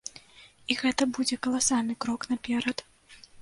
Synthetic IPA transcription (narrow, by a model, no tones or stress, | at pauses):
iɣɛt̪ɐbud͡zʲɛkɐlˠasalʲnɨkɾɔknapʲɛɾɐt̪